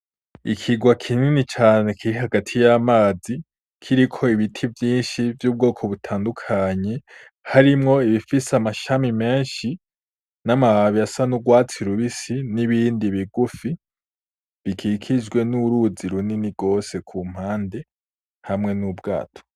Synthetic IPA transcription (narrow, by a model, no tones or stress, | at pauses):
ikʰiɡwakʰininit͡ʃaːne̞kʰiɾiɦaɡatʰijamaːzi | kʰiɾikʰo̞iβitʰivjiːnʃivjuːb̚ɡo̞ːkʰo̞βutʰaːndukʰaɲe̞ | haɾimŋo̞iβifisamaʃamime̞ːnʃi | namaβaβiasanuɡwaːt͡siɾuβisiniβiːndiβiɡufi | βikʰikʰid͡ʒɡwe̞nuɾuziɾuniniɡ̥o̞ːse̞kʰum̥haːnde̞ | hamŋe̞nubɡa̰ːtʰo̥